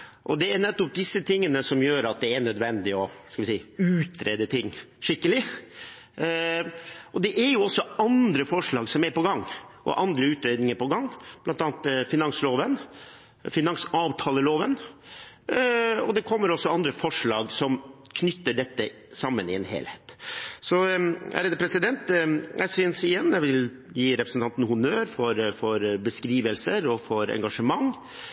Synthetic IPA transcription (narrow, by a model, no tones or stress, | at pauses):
ʔɔd̪ɛæɾnɛt̪ːɔp̚d̪ɪsːət̪ʰɪŋːənəsɔmjøːɾɑt̪̚d̪ɛæɳœd̪ʋɛnd̪ɪɔskɑlʋɪsiːʉːt̪ʰɾeːd̪ət̪ʰɪŋːʂɪkːəlɪ | ɔd̪ɛʔæɾjʊɔsːɔɑnd̪ɾəfɔʂɭɑːɡsɔmæɾpɔɡɑŋːʔɔ̰ʔɑnd̪ɾəʉːt̪ɾeːd̪nɪŋəɾpɔɡɑŋːblɑnt̪ɑːnt̪fɪnɑŋsloːʋən | fɪnɑŋsɑːʋt̪ʰɑːləloːʋən | ɔd̪ɛkʰɔmːəɾɔsːɔɑnd̪ɾəfɔʂɭɑːɡsɔmkʰnʏt̪ːəɖɛt̪ːə | sɑmːənɪɛnhḛːlheːt̪sɔæ̰ɾɛd̪əpʰɾɛsɪd̪ɛnt̪jʔæ̰ɪsʏnsɪjɛnːjɛɪʋɪl | jiːɾɛpɾəsnt̪ʰɑnt̪n̩hʊnøːɾfɔɾfɔɾbəskɾiːʋəlsəɾɔfɔɾɛ̰ŋɡɑʂəmɑŋ